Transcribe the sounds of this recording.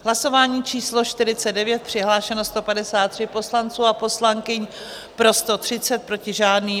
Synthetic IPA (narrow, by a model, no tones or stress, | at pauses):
ɦlaso̞vaːɲiːt͡ʃiːslo̞ʃt̪ɪɾɪt͡sɛdɛvjɛt̪̚pr̝̥ɪɦlaːʃɛnost̪o̞padɛsaːt̪ːr̥ɪpo̞slant͡suːapo̞slaŋkɪɲ | pɾo̞st̪o̞t̪r̥ɪt͡sɛt̪̚pɾo̞cɪʒaːdniː